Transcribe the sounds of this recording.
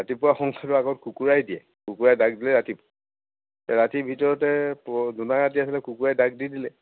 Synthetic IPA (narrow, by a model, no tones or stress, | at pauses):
ɹatipʊwaxɔŋkʰatʊaɡɔtkʰukuɹajdijɛ̰ | kukuɹajdaɡ̚dilɛɹatip | tɛɹatibʱitɔɹɔtɛpɔzunaɹat̬iasilɛkukuɹajdaɡ̚didilɛ